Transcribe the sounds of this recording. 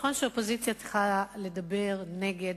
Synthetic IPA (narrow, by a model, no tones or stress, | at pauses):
χo̞nʃeopo̞zit͡sjat͡se̥χale̞dabe̞ʁne̞ɡed